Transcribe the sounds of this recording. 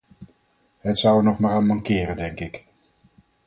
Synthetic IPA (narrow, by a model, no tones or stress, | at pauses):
ɦətsʌwənɔχmaːɾaːnmɑŋkɪːrəndɛŋkɪk